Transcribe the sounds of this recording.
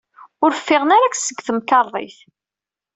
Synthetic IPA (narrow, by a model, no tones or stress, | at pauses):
ʊɾfːɪʁənaɾaksəɡθəmkɑɾˤðˤḭθ